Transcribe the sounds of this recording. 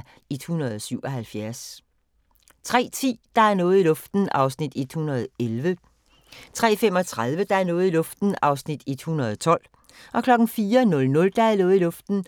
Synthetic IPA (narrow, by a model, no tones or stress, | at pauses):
ed̥hunɐð̞ˠɒsyʊ̰ɒ̽ɦælfjæɐs | t͡sʰʁɛ̰ːt͡sʰḭːd̥ɑ̈æɐnɔ̽ːð̩ˠilɔ̽fd̥n̩ɑ̈ʊsnid̥ed̥hunɐð̞̩ˠelʋə | t͡sʰʁɛ̰ːfem̰ɒ̽t͡sʰʁaðˠʋəd̥ɑ̈æɐnɔ̽ːð̞̩ˠilɔ̽fd̥n̩ɑ̈ʊsnid̥ed̥hunɐð̞ˠɒt͡sʰɒ̽l̰ | ʔɒ̽kʰlɒ̽ɡ̥n̩fiːɐnɔ̽lnɔ̽ld̥ɑ̈æɐnɔ̽ːð̩ˠilɔ̽fd̥n̩